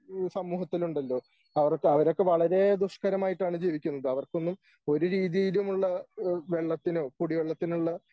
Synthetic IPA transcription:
sɐmːuːɦɐt̪ːiluɳɖɐlːo̞ː | ɐʋɐrkːeɐʋɐɾo̞kːe̞ʋɐɭɐɾe̞d̪uʂkɐɾɐmaːjiʈːaːɳɨd͡ʑiːʋikʲːunːɐðɐʋɐrko̞nːum | o̞ɾuɾiːðijilumuɭːɐʋe̞ɭːɐt̪ːinoːkuɽiʋeɭːɐt̪ːinuɭːɐ

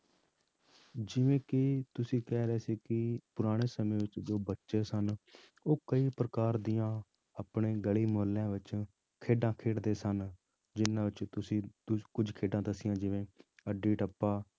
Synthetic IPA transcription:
d͡ʒɪʋẽːkɪt̪ʊsĩːkɛːɾɛːsiːkɪpʊɾaːɽ̃eːsəmẽːʋɪt͡ʃd͡ʒoːbətːʃeːsən | oːkəiːpɾəkaːɾd̪ijãː | aːpɳeːɡəɭiːmʊɦəlːjãːʋɪt͡ʃ | kʰeːɖãːkʰeːɽd̪eːsən | d͡ʒɪnãːʋɪt͡ʃt̪ʊsĩːkʊd͡ʒʱkʰeːɖãːd̪əsɪ̃jãːd͡ʒɪʋẽːəɖiːʈəpːaː

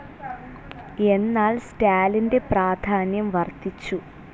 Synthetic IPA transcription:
e̞nːaːɭstaːlinde̞praːd̪ʱaːnjɐmʋɐrt̪it͡ɕːu

